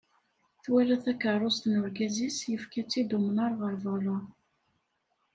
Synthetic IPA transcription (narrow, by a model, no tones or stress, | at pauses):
θwælæθækːərˤost̪nʊɾɡæzisjəfkæt͡sːid̪umnaɾˤʁəɾˤvɑlʊ